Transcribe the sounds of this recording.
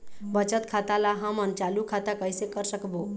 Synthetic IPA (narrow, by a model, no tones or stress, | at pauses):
bət͡ʃət̪kʰat̪alaɦəmənt͡ʃalukʰat̪akəjsekəɾsəkbo